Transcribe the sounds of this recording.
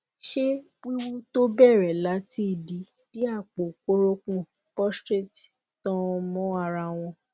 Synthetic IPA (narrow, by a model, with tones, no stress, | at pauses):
ʃe˦k͡pi˦wu˦to˦bɛ˦˨ɾɛ˨la˨˦ti˦˨di˧˦di˦a˦˨k͡po˨k͡po˦ɾo˦kũ˦pɔ˦stɾe˦˨ti˨tɔ̃˦˧mɔ̃˦a˧ɾa˧w̃ɔ̃˧